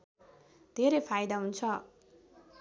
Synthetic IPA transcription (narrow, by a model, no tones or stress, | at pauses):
d̪ʱeɾʌjpʰajd̪aɦunt͡sʰʌ